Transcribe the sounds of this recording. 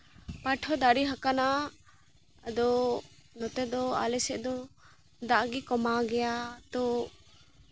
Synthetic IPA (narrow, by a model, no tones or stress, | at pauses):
paʈʰɔd̪aɾiɦakana | d̪ɔnɔt̪ɛd̪ɔa̰lɛsɛʔd̪ɔ | d̪aʔɡikɔmaɡɛjat̪ɔ